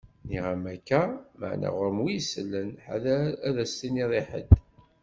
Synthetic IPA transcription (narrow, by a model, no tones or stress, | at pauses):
niʁæmækːæmə̰ʕnæ̰ʁʊɾəmwijsəlːənħaðæðæst̪iniðˤiħə̰d̪